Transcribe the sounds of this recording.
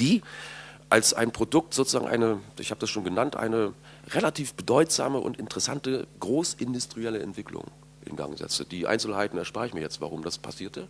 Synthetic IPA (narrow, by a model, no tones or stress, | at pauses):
d̥iː | ʔalsʔa̰ɪnpʁ̥odʊk̚tz̥oːt͡sʊ̥zaːŋ̩ʔa̰ɪnəʔɪ̰çhaːbədasʃoːnɡənantʔa̰ɪnə | ʁelatʰiːfb̥ədɔʏtz̥a̰ːməʔʊ̰ntɪntəʁɛsantəɡ̥ʁoːsɪndʊstʁ̥iɛləɛ̰ntv̥ɪklʊ̰ŋ | ʔɪ̰nɡa̰ŋzɛ̰t͡səd̥iːʔa̰ɪnt͡sl̩haɪtn̩ɛɐʃpaːɐɪçmiɐjɛt͡stva̰ʁ̞ʊmdaspʰa̰siːɐtə